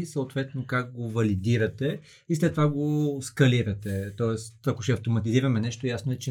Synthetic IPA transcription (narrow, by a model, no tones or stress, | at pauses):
səot̪vɛt̪nokak̚ɡovɐlid̪iɾɐt̪ɛ | islɛt̪ːovaɡoskɐliɾɐt̪ɛt̪ɔɛst̪ɐkoʃɛɐft̪omɐt̪iziɾɐmɛnɛʃt̪ojasnoɛt͡ʃɛ